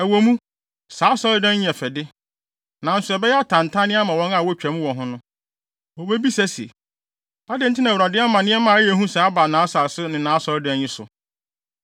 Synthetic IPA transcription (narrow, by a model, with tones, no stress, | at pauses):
æ˨wɔ˨mũ˦ | saː˨˦sɔ˦lɪ˦dɛ̃˦n˦ɲ˨ɛ˨fɛ˨dɪ˦ | nã˨n̩˦sʊ˨ɛ˨bɛ˦jɛ˦a˦tʰã˨n˨tʰã˦nɪ̃˦a˦mã˨wɔ̃˦na˨wɔ˦t͡ɕᶣæ˨mũ˦wɔ̃˨ɦʊ̃˦nʊ̃˦ | wɔ˨be˦bi˦sæ˦si˨ḛ˨ | a˦dɪ˨˦n̩˦tʰɪ˦nã˨wɾa˨dɪ˦a˦mã˨nɪ̃˦ɛ˦mãː˨˦jɛ˨˦ɦũ˦sa˨a˦ba˨nãː˨˦sa˨sʊ˦nɪ̃˨nãː˨˦sɔ˦lɪ˦dɛ̃˦nɲɪ̃˦sʊ̰˨